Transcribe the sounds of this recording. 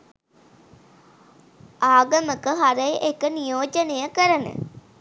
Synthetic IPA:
aːɡəməkəɦaɾəjʔekənijoːd͡ʒənejəkəɾənə̰

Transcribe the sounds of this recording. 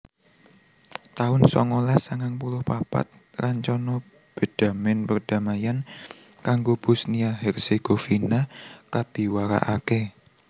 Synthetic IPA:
t̪aʊnsɔ̰ŋɔlasaŋaŋpulʊhpapa̰t̪̚raɲt͡ʃɔnɔ | b̥e̤d̥a̤mɪnpərd̥amajan | kaŋɡob̥ʊsniaɦɛrseɡ̥ofinakab̥i̤waɾa̰ʔake

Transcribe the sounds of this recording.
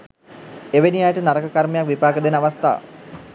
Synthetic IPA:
eʋeniajəʈənaɾəkəkaɾməjakʋipaːkəd̪enəaʋast̪a̰ː

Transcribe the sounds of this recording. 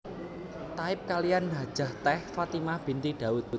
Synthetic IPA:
t̪aɪp̚kalijanɦad̥ʒ̥a̤ht̪ɛhfat̪imahb̥i̤nt̪iɖ̥a̤ʊt̪̚

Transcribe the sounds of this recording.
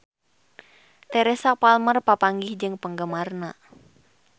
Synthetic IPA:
t̪ɛɾɛsapalmərpapaŋɡɪhd͡ʒɨŋpəŋɡəmarna

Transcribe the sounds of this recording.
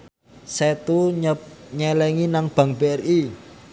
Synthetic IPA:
sɛt̪u | ɲɛlɛŋinaŋb̥ä̤ŋbeɛri

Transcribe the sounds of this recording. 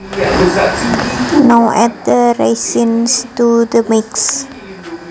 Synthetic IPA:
nowʔɛt̪̚d̪əɾejsɪnst̪ud̪əmɪks

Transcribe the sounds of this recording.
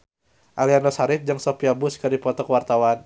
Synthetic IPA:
ʔalianɔsaɾɪt̪̚d͡ʒəŋsopiabʊskɨrdipɔt̪ɔkəwart̪awan

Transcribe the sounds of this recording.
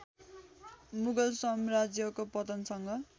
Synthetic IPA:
muɡʌlsʌmrad͡zjʌkopʌt̪ʌnsʌŋɡʌ

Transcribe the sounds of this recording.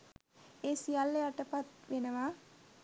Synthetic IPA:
eːsijalːejaʈəpat̪ʋenəʋaː

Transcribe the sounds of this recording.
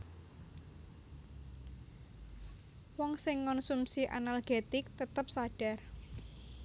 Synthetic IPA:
wɔŋsɪŋːɔnsumsiʔa̰nalɡ̥et̪ɪk̚t̪ət̪əp̚saɖ̥a̤r

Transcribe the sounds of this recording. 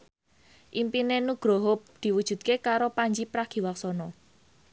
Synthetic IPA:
ʔimpinenuɡ̥ɾoɦʊp̚d̪̥i̤wud̥ʒ̥ṳt̪̚kekaɾopaɲd͡ʒipɾaɡ̥i̤waksɔnɔ

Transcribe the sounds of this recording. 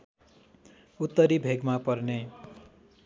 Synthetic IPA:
ut̪ːʌɾibʱeɡmapʌrne

